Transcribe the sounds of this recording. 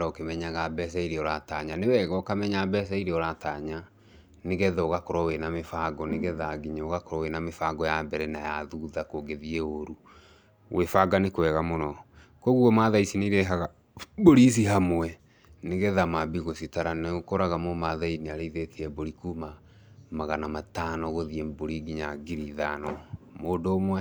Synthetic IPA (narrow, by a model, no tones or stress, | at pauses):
ɾɔokemɛɲaɣabɛs̬ɛiɾeɔɾataɲanewɛɣɔkamɛɲabɛs̬ɛiɾeɔɾataɲa | neɣɛðɔoɣakoɾɔwenamefaɡɔneɣɛðaɡiɲaoɣakoɾɔwenamefaɡɔjabɛɾɛnajaðuðakoɡeðiɛoɾu | wʔefaɡanekwɛɣamonɔ | koɣuɔmaðaisineiɾɛɦaɣa | boɾis̬iɦamoɛ | neɣɛðamabiɣositaɾaneokɔɾaɣamomaðainiaɾeiðetʰeɛboɾikuma | maɣanamatanɔɣoðiemboɾiɡiɲaɡiɾiðanɔmoːdoomwa